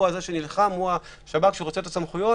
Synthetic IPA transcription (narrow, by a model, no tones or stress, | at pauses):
uazeʃe̞nilχamua | ʃabakʃeuʁot͡set̪at͡samχujo̞